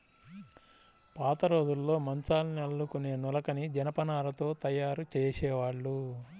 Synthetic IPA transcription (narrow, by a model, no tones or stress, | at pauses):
paːt̪ɐɾo̞ːd̪ulːo̞ːmɐnt͡ʃaːlniɐɭːukune̞ːnulɐkɐnid͡ʒɐnɐpɐnaːlɐt̪o̞ːt̪ɐjːaːɾut͡ʃeːsɛːʋaːɭːu